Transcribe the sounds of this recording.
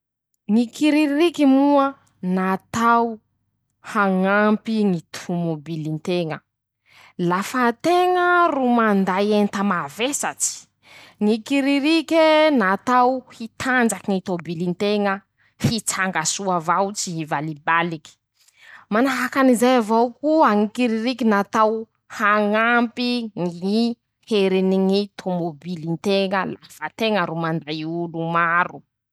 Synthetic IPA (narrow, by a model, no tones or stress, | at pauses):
ŋikiɾiirikimuə | nat̪aw | haŋampiŋit̪ʰumobilint̪eŋə | lafət̪eŋərumand̪ajent̪əmavesat͡si̥ | ŋikiɾiɾikʲenat̪awhit̪ʰand͡ʒakiŋit̪obilint̪eŋə | hit͡saŋɡasuavawt͡siivalibaliki̥ | manaɦakanizajavawkuaŋikiɾiɾikinat̪aw | haŋampiŋii | heɾiniŋit̪ʰomobilint̪eŋəlafət̪eŋəɾumandajulumaɾu